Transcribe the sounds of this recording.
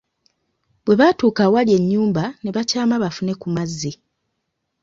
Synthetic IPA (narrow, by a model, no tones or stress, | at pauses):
bwe̞βatuːkawalje̞ɲːuːmbane̞βacaːmaβafune̞kumazːe